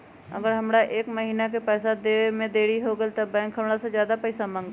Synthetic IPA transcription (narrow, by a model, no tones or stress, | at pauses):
ɐ̰ɡəɾɦɐmɽaʔeːkməɦiːnak̬epɛːsad̪emẽd̪eːɽiɦoɡəit̪ɐbːɛ̃ːŋkɦəmɽasezjaːd̪apɛːsamə̃ŋɡ